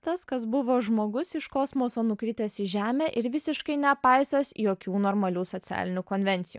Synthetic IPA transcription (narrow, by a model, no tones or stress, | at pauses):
t̪ɐskɐsbʊʋoːʒmoːɡʊsɪʃkoːsmoːsoːnʊkɾʲiːt̪ʲɛsɪʒʲæːmʲeːʔɪɾʋʲɪsʲɪʃkɐɪnʲɛpɐɪsʲoːsjoːkʲuːnoːɾmɐlʲuːsoːt̪sʲæ̰ːlʲɪnʲuːkoːnʲʋʲɛnʲt̪sʲɪjuː